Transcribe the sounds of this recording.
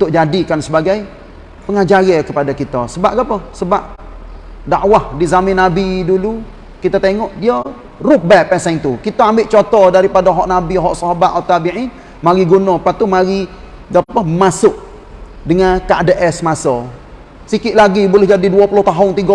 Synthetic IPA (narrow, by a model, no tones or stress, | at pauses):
unt̪ʊʔ̚d͡ʒadikansəbaɡaj | pəŋad͡ʒaɣəkəpadakit̪əsəbaʔ̚ɡapəsəbaʔ | daʔwahdizamɪnːabidulu | kit̪at̪eŋɔʔdiə | rʊp̚bɛpɛsant̪ukit̪aambɪʔt͡ʃot̪ɔdaɾipadaɦɔʔnabiɦɔʔsɔɦabat̪̚ɔt̪abiʕin | maɾiɡunɔpat̪ːumaɾi | ɡapəmasʊʔ̚ | dəŋankaʔadəʔɛsmasɔ | sikɪʔlaɡibulɛhd͡ʒadiduapulʊht̪aɦʊnt̪iɡɔ